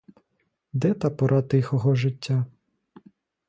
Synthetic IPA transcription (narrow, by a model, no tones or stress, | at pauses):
d̪ɛt̪ɑpɔɾʔɑt̪ɪxɔɦɔʒɪtʲːa